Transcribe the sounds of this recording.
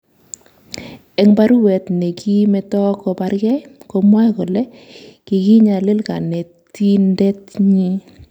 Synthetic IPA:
ɛ˨˦ŋba˦ɾu˦wɛ˨tne˨kʰi˦mɛ˨tɔ˦kɔ˨˧pa˨˦ɾkɛ˦ko˧mwa˦jkʊ˨lɛ˦ | ki˨ki˦ɲa˨lɪ˦lka̰˨ne˨ | ti˦ndɛ˦tɲi˦

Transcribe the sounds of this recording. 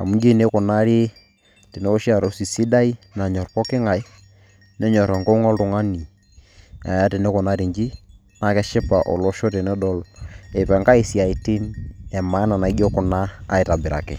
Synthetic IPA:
a̰˨mu˦ɲd͡ʒi˦˨ne˦kʊ˨na˦ɾi˦ | ti˨nɛ˦o˦ʃa˨ɾɔ˦si˨si˦da˦i˦na˨ɲɔ˨ɾpɔ˦kɪ˦ŋa˨j | nɛ˦ɲɔ˨ɾɔ˨ŋɡɔ˦ŋɔ˦ltʊ˨ŋa˦ni˨ | a̰˨ja˦tɪ˨ne˦kʊ˨na˦ɾi˨ɲd͡ʒi˦ | na˨kɛ˦ʃɪ˦pa˨ʔɔ˨lɔ˦ʃo˦te˨nɛ˦dɔ˦lɛ˨pɛ˨ŋka˦i˨si˨a˨i˨ti˦nɛ˨ma˦na˨na˨˦ɡɔ˦kʊ˨na̰ː˦ɪ˨ta˨bɪ˨ɾa̰˨kɪ̰˨

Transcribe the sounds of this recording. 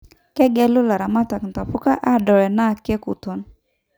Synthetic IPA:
kɛ˦ɡɛ˦lʊ˦la˨ɾa˨ma˦ta˨knta˨fu˦ka˦ʔa˦dɔ˨ɾɛ˨na˦˨kɛ˦ku˨tɔ˨n

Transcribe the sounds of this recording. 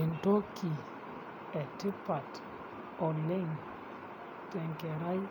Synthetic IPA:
e˨nto˦kʰi˨ | ɛ˨te˦pa˨t | ɔ˨le˦ŋ | tɛ˨ŋkɛ˨ɾa˦j

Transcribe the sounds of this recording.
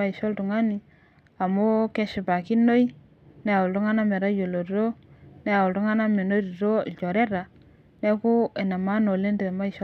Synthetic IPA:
a˦i˨ʃo˦ltu˨ŋa˦ni˨ | a˨mo˦ke˦ʃɪ˨ba˨ki˦no˦i˦ | ne˦a˨ʊ˨ltu˦ŋa˦na˦me˨ɾa˦jo˨lo˨˦o˦ne˦a˨ʊ˨ltu˦ŋa˦na˦me˨no˦du˨ɾo˦˨t͡ʃo˨ɾe˦ɾa˨ | ne˦ku˦e˨na˨ma˦no˨le˦nde˨e˨ma˦i˨ʃ

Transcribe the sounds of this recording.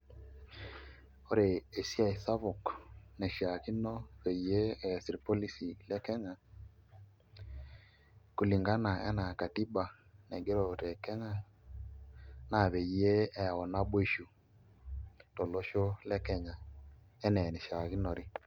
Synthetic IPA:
o˦ɾe˨e˨si˦a˦˨i˨sa˦βɔ˨knɛ˨ʃa˨ki˦nɔ˦βe˨je˦ɛ˨si˨ɾpo˦li˦si˨lɛ˦kɛ˦ɲa˨ | ku˨li˨ŋɡa˦na˨ɛ̰˦na˨ka˨ti˦ba˨ | nɛ˨ɡe˦ɾo˨tɛ˨kɛ˦ɲa˦ | na˨βe˨je˦ɛ˨ɔ˨na˦bwe˦ʃu˨ | tɔ˨lo˦ʃo˦lɛ˦kɛ˦ɲa˨ | ɛ˦nɛ˨nɛ˨ʃa˨ki˦nɔ˨ɾɪ˦

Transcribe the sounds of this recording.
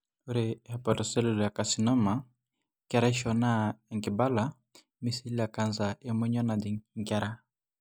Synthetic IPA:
u˦ɾɛ˨a˨pa˨dɔ˨sɛ˦lu˨la˨ka˨si˨nɔ˦ma˨ | kɛ˦ɾa˦ʃɔ˨na˦ɛ˨ŋki˨ba˦la˦ | mi˨si˦li˦a˨ka˨nza˨ɛ˨mwɛ˦ɲɔ˦na˨di˨ŋka˦ɾa˦

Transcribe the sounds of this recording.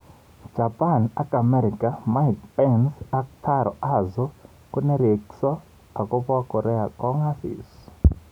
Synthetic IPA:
d͡ʒa˨pʼa˦˨na˦kʼa˨mɛɾi˨kama˦jkpɛnsa˦k̚tʰaɾɔ̰˨ʔazɔ | ku˦nɛ˦ɾe˨ksɔ˦ | a˨kɔ˦pɔ˦wakɔ˨ɾɛ˦akɔ˦ŋa˦sḭ˨s

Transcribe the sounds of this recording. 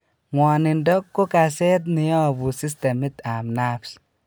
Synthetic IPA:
ŋwɔ˨nɪ˨ndɔ˦kːo˦ka˨sɛ˦t̪̬̚nɪ˨jɔ˦˨bu˨si˦s̬tɛ˨mɪ˦t̪a˨mna˦ps

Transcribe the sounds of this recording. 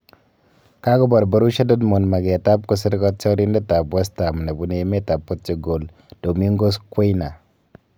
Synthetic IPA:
ka˦ɡɔ˦ba˨ɾba˨ɾu˦ʃa˦dɔ˦dmo˨nma˨ɡe˨ta˦b̚kɔ˦s̬i˦ɾkɔ˦t͡ʃɔ˦ɾi˦ndɛ˦ta˨bwa˦sta˨m˨ne˨bu˨˦ne˨me˦ta˨pːo˦t͡ʃi˨ɡo˨l | d̥o˨mi˦ŋɡo˦skʷe˦jna˨

